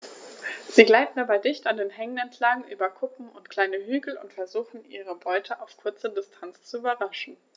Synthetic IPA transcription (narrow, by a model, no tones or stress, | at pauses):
z̥iːɡlaɪtn̩dabaɪdɪçtandeːnɦɛŋənɛntʰlaŋŋ̩ʔy̰ːbɐkʰʊpm̩ʊntkʰl̥aɪnəɦyːɡl̩ʊ̰ntfɛɐzuːxn̩ʔiːʁ̞əbɔʏtʰəʔaʊfkʰʊɐt͡sədɪstʰant͡st͡suyːbɐʁaʃn̩